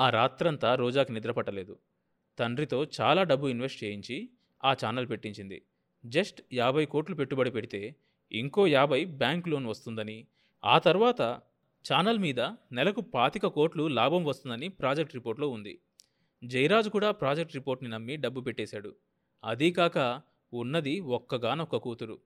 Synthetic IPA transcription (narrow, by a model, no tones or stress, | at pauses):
aːɾaːt̪ɾɐnt̪aːɾɔːd͡ʒaːkinid̪ɾɐpɐʈːɐle̞ːd̪u | t̪ɐɳɖɾit̪o̞ːt͡ʃa̰ːlaːɖɐbːuinʋe̞sʈt͡ʃe̞ːjiɲt͡ʃi | aːt͡ʃaːnɐlpe̞ʈːiɲt͡ʃind̪ḭ | d͡ʒesʈjaːbʱɐjko̞ːʈlupe̞ʈːubɐɽipeɽit̪e̞ː | ḭŋko̞ːjaːbʱɐjbjaːŋklo̞ːnʋɐst̪und̪ɐni | a̰ːt̪ɐɾʋaːt̪ɐ | t͡ʃaːnɐlmiːd̪ɐnɛlɐkupaːt̪ikɐko̞ːʈlulaːbʱɐmʋɐst̪und̪ɐnipɾaːd͡ʒek̚ʈɾipoːɾʈlo̞ːund̪ḭ | d͡ʒɐjɾaːd͡ʒukuːɽaːpɾaːd͡ʒek̚ʈɾipo̞ːɾʈninɐmːiɖɐbːupe̞ʈːeːsaːɽu | ɐd̪ikaːkɐ | unːɐd̪iɔkːɐɡaːnɔkːɐkuːt̪uɾu